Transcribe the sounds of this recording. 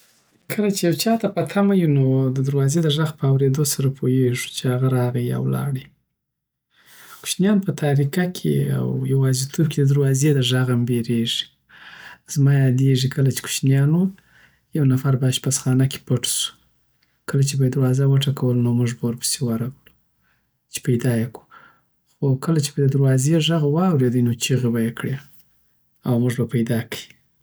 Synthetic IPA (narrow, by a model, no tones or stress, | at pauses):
kʰəlat͡ʃejawt͡ʃɑt̪apat̪ʰamajunod̪əd̪aɾwɑzed̪əʐaɣpəawɾed̪osaɾapʰojeʐu̥t͡ʃeaɣaɾɑɣaja̰wlɑ̰ɽi | ku̥ʃnjɑnpət̪ʰaɾikakʰḛa̰wjawɑzit̪ʰob̚ked̪əd̪aɾwɑzed̪əʐaɣambeɾeʐi̥ | z̥mɑjɑd̪eʐikʰəlat͡ʃe̥ku̥ʃnjɑnwu | jawnafaɾbaʃpasxɑnakʲe̥pəʈsu̥ | kəlat͡ʃebajed̪aɾwɑzawəʈakawəlnomuʐbawəɾpə̥sewaɾawlu | t͡ʃe̥pajd̪ɑjaku̥ | xokəlat͡ʃe̥bad̪əd̪aɾwɑzeʐaɣwɑwɾed̪əjnot͡ʃiɣebajekɽe | awmuʐbapajd̪ɑkə̥ji